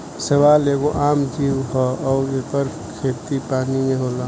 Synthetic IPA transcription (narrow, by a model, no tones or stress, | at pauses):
səʋaːleɡoʔaːmd͡ʒiːwɦɔɔːepəɾ | kʰeːt̪ipaːnimẽɦoːla